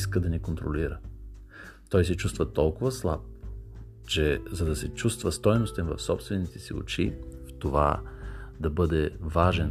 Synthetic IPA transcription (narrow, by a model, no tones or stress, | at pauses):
skəd̪ɐnɛkont̪ɾoliɾə | t̪ɔjsɛt͡ʃust̪vət̪ɔlˠkʊvɐslˠa̰p̚ | t͡ʃɛzɐd̪ɐsɛt͡ʃust̪vəst̪ɔjnost̪ɛnvɐfsɔpst̪vɛnit̪ɛsio̰t͡ʃift̪ova̰ | d̪ɐbɤd̪ɛvaʒɛn